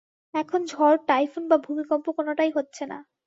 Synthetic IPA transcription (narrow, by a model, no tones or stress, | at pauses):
ɛkʰond͡ʑʱɔɾʈajfunbabʱumikɔmpokonoʈajɦotːɕʰena̰